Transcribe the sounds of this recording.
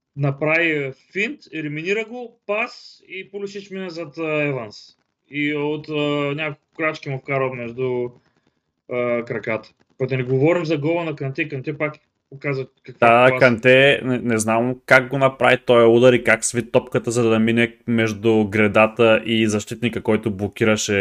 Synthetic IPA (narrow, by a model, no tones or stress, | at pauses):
nɐpɾavifint̪ɛɾiminiɾəɡopasipolʲʊʃit͡ʃminɐzɐt̪ɛvans | iot̪ənʲakolˠkʊ̥kɾat͡ʃkʲimofkaɾomɛʒd̪ʊ | kɾɐkat̪ə̥ | kɔjd̪ɐnɛɡovɔɾimzɐɡɔvɐnɐkɐnt̪ʲɛkɐnt̪ɛpak | pokazɐkɐkvaakɐnt̪ʲɛnɛnɛznamkaɡɡonɐpɾa̰vit̪ɔjɐud̪ɐɾikaksvit̪ːɔpkət̪əzɐd̪ɐminɛmɛʒd̪ʊɡɾɛd̪at̪əʔizɐʃt̪it̪nikəkɔjt̪ʊblˠok̟ʲiɾəʃɛ